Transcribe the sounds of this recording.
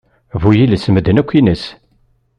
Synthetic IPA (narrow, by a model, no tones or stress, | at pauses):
vujilsəməd̪ənækʷːinəs